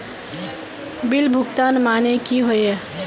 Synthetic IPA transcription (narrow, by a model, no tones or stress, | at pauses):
bilbʱʊɡt̪anmanekiɦoje